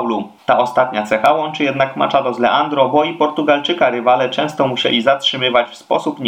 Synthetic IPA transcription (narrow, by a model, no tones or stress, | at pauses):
wlu | t̪aɔst̪at̪ɲat̪sɛxawɔnt͡ʂɘjɛd̪nakma̰t͡ʂad̪ɔzlɛʔand̪ɾɔbɔipɔɾt̪uɡalt͡ʂɘkaɾɘvalɛt͡ʂɛ̃w̃st̪ɔmuɕɛ̰lʲizatʂɘmɘvat͡ɕfspɔsupɲ